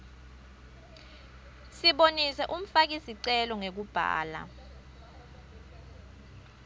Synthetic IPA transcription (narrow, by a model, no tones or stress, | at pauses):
siɓonisɛʔum̩fak̬isiǀɛlɔŋek̬ub̥ʱa̰ːla̰